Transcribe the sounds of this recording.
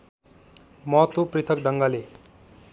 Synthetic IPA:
mʌt̪uprit̪ʰʌkɖʌŋɡale

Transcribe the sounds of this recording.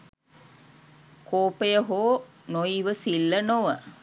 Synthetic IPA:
koːpejəɦoː | noiʋəsilːənoʋə

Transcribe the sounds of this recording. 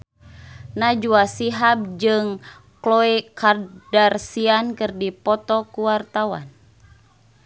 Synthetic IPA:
nad͡ʒuasiɦab̚d͡ʒɨŋ | klɔikardarsiankɨrdipɔt̪ɔkuwart̪awa̰n

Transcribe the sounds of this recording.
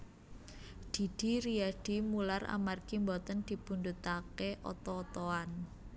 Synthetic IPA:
d̪̥i̤d̪̥i̤ɾiaɖ̥i̤mulara̰marɡ̥imbɔt̪ənd̪̥i̤pund̪ut̪akeʔɔ̰t̪ɔːt̪ɔan

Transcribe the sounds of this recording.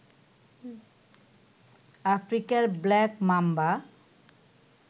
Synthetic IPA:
afʰɾikaɾblɛkmamba

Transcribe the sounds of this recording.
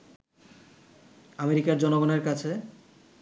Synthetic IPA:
ameɾikaɾd͡ʑɔnoɡoneɾkat͡ɕʰe

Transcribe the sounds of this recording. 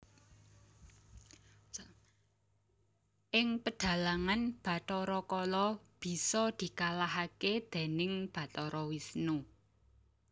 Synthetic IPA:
ʔɪŋpəɖ̥ä̤laŋanb̥ä̤t̪ɔɾɔkɔlɔb̥i̤sɔd̪̥i̤kalaɦaked̪̥e̤nɪŋb̥a̤t̪ɔɾɔwisnu

